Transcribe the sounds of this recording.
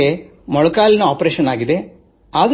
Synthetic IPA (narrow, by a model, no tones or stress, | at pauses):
e | mɔɭɐkaːlinɐaːpɾeːʃɐnaːɡid̪e̞ | aːd̪